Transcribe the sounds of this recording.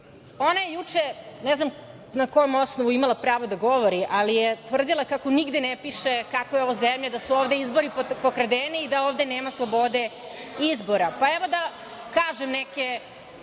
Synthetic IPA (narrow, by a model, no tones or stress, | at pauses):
o̞najejut͡ʂenɛznam | nako̞jomo̞snoʋuimalˠapɾaːʋod̪aɡo̞ʋoɾiʔalijet̪ʋr̩d̪ilˠakako̞niɡd̪enepiʃekakojeo̞ʋozemʎad̪asuoːʋd̪eizbo̞ɾippokɾad̪eniːd̪aoːvd̪eneːmaslˠobo̞d̪e̞izbo̞ɾapaeʋod̪a | kaːʒemnɛke